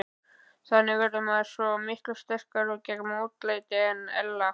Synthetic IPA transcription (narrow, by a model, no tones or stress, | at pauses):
θanːɪvɛɾʏmɛðsvɔmɪhklʏst̪ɛr̥kaɾɔcɛkmoːwt̪leːjt̪ɪɛnːɛ̰lːa